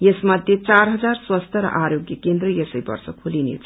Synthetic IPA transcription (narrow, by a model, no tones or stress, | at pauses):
jesmʌd̪ʱjet͡saɾɦʌd͡zarswast̪ʰʌɾʌ̰ʔaɾjoɡjʌkend̪rʌjesəjbʌ̰rsʌkʰulinḛt͡sʰ